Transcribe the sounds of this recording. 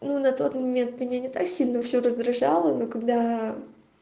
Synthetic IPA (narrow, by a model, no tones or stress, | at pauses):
nunɐt̪o̞t̪mɐmʲent̪mʲɪnʲanʲɪt̪aksʲilʲnəfsʲɵɾəzd̪ɾɐʐalˠənokɐɡd̪a